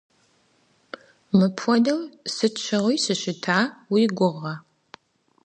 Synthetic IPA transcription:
mɨpʰʷɔdɐwsɨt͡ʃʰɐʁʷʊjsɨɕɪtʰaːwiːɡʷʊʁɐ

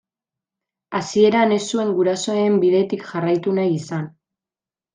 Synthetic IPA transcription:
asie̞ɾane̞sue̞ŋɡuɾaso̞embiðe̞t̪ikʝarajt̪unajisan

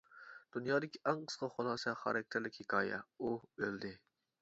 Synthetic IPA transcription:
d̪̥unjɑːd̪ɪkʲiʔæŋqʰə̥sqɑχolˠɑːsɛχɑ̰ɾɑk̚ʲt̪ʰɪɾlɪkʲhɪkʲʰɑːjɛ̰uøld̪ɪ

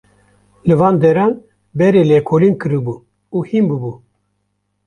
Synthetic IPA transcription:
lɨvɑːnd̪ɛɾɑːn | bɛɾeːlɛkʰolinkɨɾɨbu | uhimbɨbu

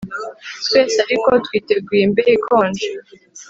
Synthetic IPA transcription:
tweːseaɾikotwiːteɡwiːmbeɾikʰoːnd͡ʒe

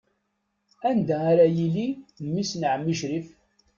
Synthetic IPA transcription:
ænd̪æːɾæjilimːisnʕəmːiʃɾif

